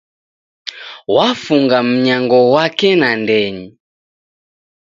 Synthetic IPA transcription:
wafuŋɡam̩ɲaŋɡɔwakɛnandɛɲi

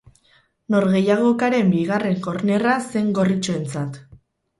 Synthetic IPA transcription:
no̞ɾɣe̞jaɣ̞o̞kaɾe̞mbiɣ̞are̞ŋko̞ɾne̞rase̞ŋɡo̞rit͡soe̞nt͡sat̪

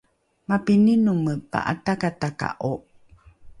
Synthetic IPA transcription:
mapininuməpa̰ʔa̰t̪akataka̰ʔoʔ

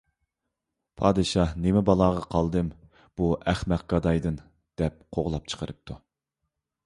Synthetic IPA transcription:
pʰɑːd̪ɨʃɑhnemɪbɑlˠɑːʁɑqʰɑlˠd̪ɨm | b̥uʔæχmæq̚ɡ̥ɑd̪ɑjd̪ɨn | d̪̥ɛp̚qʰoʁlˠɑp̚t͡ʃʰə̥qʰəɾɨp̚t̪ʰu

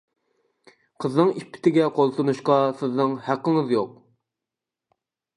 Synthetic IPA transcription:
qʰəznɨŋipʰːɪ̥t̪ʰɪɡʲɛqʰolˠt̪unuʃqɑsɪznɨŋhæqːəŋəzjoq̚

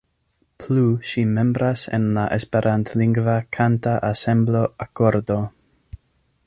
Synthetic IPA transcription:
pʰluʃime̞mbɾasḛnlaʔespeɾʔantliŋɡvakʰantaʔasemblo̞akoɾdo̞

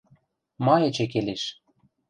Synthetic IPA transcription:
mɑjĕt͡ɕek̬eleʃ

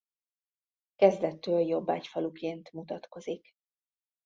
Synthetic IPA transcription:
kɛzd̪ɛt̪ːøːljo̞bːa̰ːcfɒlukeːnt̪mut̪ɒt̪ko̞zik

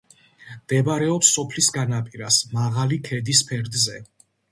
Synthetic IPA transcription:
md̪̥ɛbaɾɛɔpsːɔpʰlisɡanapʼiɾasmaʁalikʰɛd̪ispʰɛɾd̪zɛ

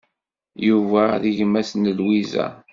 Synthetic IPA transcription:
juvæðiʝmæsnəlwizæ̰

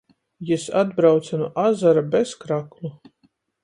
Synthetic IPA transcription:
jɛsad̪bɾawt̪sanuʔazaɾabeskɾaklˠu

